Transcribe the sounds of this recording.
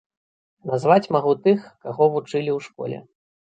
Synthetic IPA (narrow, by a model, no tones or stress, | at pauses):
nazvat͡sʲmaɣut̪ɨxkaɣɔvut͡ʂɨlʲiwʂkɔ̰lʲɛ̰